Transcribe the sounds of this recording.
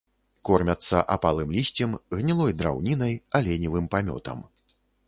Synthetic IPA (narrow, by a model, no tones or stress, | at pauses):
kɔrmʲɐt̪sːɐ̰ʔapalˠɨmlʲisʲt͡sʲɛmɣnʲilˠɔjd̪ɾa̰wnʲinɐjɐlʲɛnʲivɨmpamʲɔ̰t̪ɐ̰m